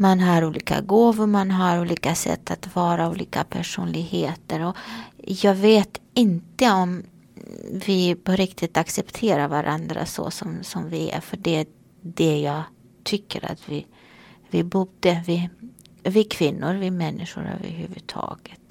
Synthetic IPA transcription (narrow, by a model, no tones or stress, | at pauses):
manɦaɾuːliːka̰ɡoːvʊɾmanɦaɾuːliːkasɛ̰t̪ʰːat̪vɑːɾauːliːkapʰæʂuːnlɪɡheːt̪əɾɔjɑːɡveːt̪ɪnt̪əɔm | vɪpɔɾɪkt̪ʰɪt̪aksɛpt̪ʰeːɾaɾvaɾʔa̰nd̪ɾa̰sɔ̰sɔmsɔmvɪæ̰fœɖɛæ | dɛjɑːɡ | t̪ʰʏkːəɾa̰t̪vɪ | vɪbuːd̪əvɪ | vɪkʰvɪnːʊɾvɪmɛnːɪʂʊɾø̰ːvə̰ɾɦʉ̟ːvɵt̪ʰɑ̰ːɡət̪